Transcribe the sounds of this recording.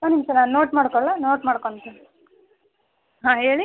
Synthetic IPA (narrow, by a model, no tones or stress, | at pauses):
sanimt͡ʃɐnanoːʈmaːɽkoɭanoːʈmaːɽkont̪u | ɦãːɦeːɭi